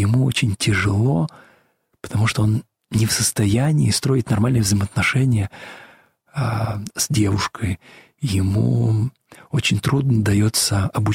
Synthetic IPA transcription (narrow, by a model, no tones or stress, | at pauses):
jɪmuot͡ɕɪnʲtʲɪʐɨlˠo̞ | pə̥t̪ɐmuʂt̪oo̞n | nʲɪfsəst̪ɐjænʲɪːst̪ɾo̞ɪt̪nɐrmalʲnɨjəvzəjmət̪nɐʂɛnʲɪjə | z̥ʲdʲe̞vʊʂkʰəj | jɪmṵ | o̞t͡ɕɪnʲt̪ɾud̪nəd̪ɐjo̞t̪səɐbʊ